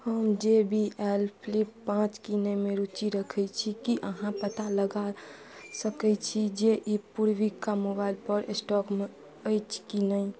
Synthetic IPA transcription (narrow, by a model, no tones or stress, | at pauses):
həmd͡ʒebʱiɛlpʰlipːãt͡ʃkinəmẽɾut͡ʃiɾəkʰɛt͡ʃʰikiʔəɦãpət̪aləɡa | səkɛt͡ʃʰid͡ʒeʔipuɾwikːamobailpəɾsʈɔkme | əjt͡ʃʰkinəi